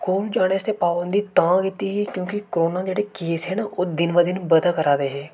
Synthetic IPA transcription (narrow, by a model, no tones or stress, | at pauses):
koːld͡ʒaːɽ̃eːst̪eːpaːbənd̪iːt̪ãːkit̪iːɦiːkjõːkɪkɾoːnaːd͡ʒeːɽeːkeːsɦɛːnaʔoːd̪ɪnʋad̪ɪnbəd̪aːkəɾaːd̪eːɦɛː